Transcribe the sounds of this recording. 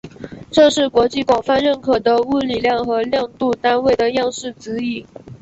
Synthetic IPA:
ʈ͡ʂɤ˥˧ʂɻ̩˥˩kwɔ˧˥t͡ɕi˥˩kwɑ˨˩ŋfa˥˧nɻə˥˩nkʰɤ˨˩d̪ə˦u˥˩li˨˩ljɑ˥˩ŋxɤ˧˥ljɑ˥˧ŋt̪u˥˩t̪a˥nwe˥˩ɪd̪ə˩jɑ˥˧ŋʂɻ̩˥˩t͡sɹ̩˧˥i˨˩˦

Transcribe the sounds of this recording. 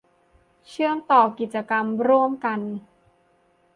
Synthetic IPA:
t͡ɕʰɯ˥˩əŋt̪ɔː˨˩ki˨˩t̪̚t͡ɕa˧ka˧mɾu˥˩əmka˧n

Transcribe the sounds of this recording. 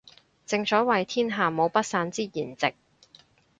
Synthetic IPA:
t͡sɪ˧ŋt͡ʃɔː˨˥wɐ˨jt̪ʰiː˥nɦaː˨˩mo˨˧wpɐ˥t̚saː˨˧˥nt͡siː˥jiː˨˩nt͡sɪ˨k̚

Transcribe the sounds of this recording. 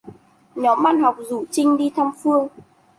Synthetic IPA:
ɲɔ˨˦mɓa̰ː˧˨nɦa˨˩wk͡p̚zṵ˧˩t͡ɕï˧ŋ̟ɗi˧t̪ʰa˧mfɨ˧əŋ

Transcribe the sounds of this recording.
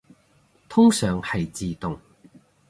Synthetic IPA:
t̪ʰʊ˥ŋsœː˨ŋhɐ˨jt͡siː˨t̪ʊ˨ŋ

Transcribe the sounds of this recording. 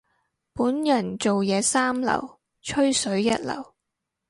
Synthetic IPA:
puː˨˥njɐ˨˩nt͡so˨wjɛː˨˧saː˥mlɐ̰˨˩w | t͡ʃʰɵ˥ɥsɵ˨˥ɥjɐ˥t̚lɐ̰˨˩w

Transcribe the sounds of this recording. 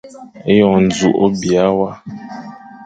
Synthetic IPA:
e˦jɔ˨n̩˨d͡zu˨ʔo˦bi˨a˦wa˦

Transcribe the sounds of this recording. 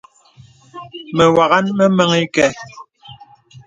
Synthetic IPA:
mɛ˨wa˨ɣa˦nmɛ˦mɛ˦ŋi˦kɛ˨

